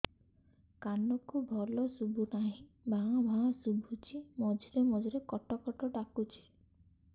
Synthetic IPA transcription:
kanɔkubʱɔlɔsubʱunaɦĩ | bʱaɔ̃bʱãɔ̃subʱut͡ʃʰimɔd͡ʒiɾemɔd͡ʒiɾekɔʈɔkɔʈɔɖakut͡ʃʰi̥

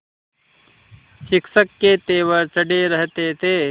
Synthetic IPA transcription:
ʃɪkʃəkːet̪eːʋəɾt͡ʃəɖeɾəɦt̪et̪ʰeː

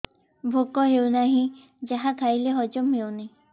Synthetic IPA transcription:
bʱokɔɦewnaɦĩ | d͡ʒaɦak̪ʰajleɦɔd͡ʒɔmɦewna

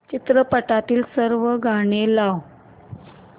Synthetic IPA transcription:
t͡ɕit̪ɾəpəʈat̪iːlsəɾʋəɡʱaɽ̃elaʋ

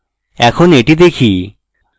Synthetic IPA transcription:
ɛkʰoneʈid̪ekʰi

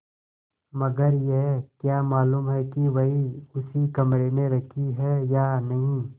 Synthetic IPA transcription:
mɐɡəɾjeɦkjaːmaːluːmɦɛkiʋɐɦiʊsikɐmɾemẽɾɐkʰiɦɛjanɐɦĩ

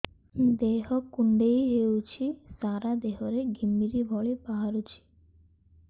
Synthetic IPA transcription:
d̪eɦɔkuɳɖejɦewt͡ʃʰisaɾad̪eɦɔɾeɡʱimːiɾibʱɔɭipaɦaɾut͡ʃʰi̥

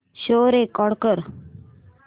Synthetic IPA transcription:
ɕoːɾekɔɽkəɾ

